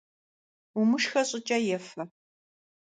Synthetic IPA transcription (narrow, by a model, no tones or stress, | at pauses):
umɨʂxɐɕʼɪt͡ʃʼɐjɛfɐ